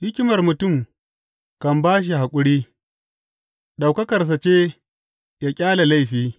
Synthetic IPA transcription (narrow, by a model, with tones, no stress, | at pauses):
hɪ˦kʲɪ˦mɐ˨rmʊ˨tʊ˦˨m | kɐ˨mbaː˦ʃ̬i˨ha˨kʷʼʊ˦ɽiː˦ | ɗa˨wkɐ˦kɐ˨rs̬ɐ˨t͡ʃeː˦ | ja˦kʲʼaː˦la˨la˦jɸiː˦